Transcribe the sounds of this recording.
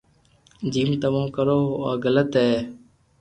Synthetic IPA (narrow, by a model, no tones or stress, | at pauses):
d͡ʒiːmt̪əmãːkəɾoːaːɡələt̪ɦeː